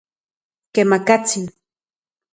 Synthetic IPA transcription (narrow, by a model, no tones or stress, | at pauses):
kemakat͡si